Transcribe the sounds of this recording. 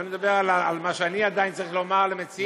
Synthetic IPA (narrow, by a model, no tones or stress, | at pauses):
oned̪abeʁalaalmaʃeaniad̪ajint͡saʁiχlomaʁlemet͡si